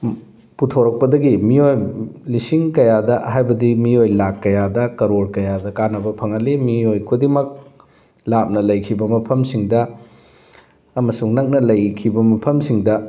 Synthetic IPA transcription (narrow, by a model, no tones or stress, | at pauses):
putʰoɾɐk̚pɐdɐɡimiojlisiŋkɐjadɐhajbɐdimiojlakːɐjadɐkɐɾoɾkɐjadɐkanɐbɐpʰɐŋɐlːimiojkʰudimɐk̚ | lap̚nɐlɐjkʰibɐmɐpʰɐmsiŋdɐ | ɐmɐsuŋnɐk̚nɐlɐjkʰibɐmɐpʰɐmsiŋdɐ